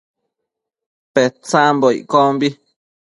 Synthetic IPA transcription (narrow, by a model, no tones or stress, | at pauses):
pet͡samboiʔkombi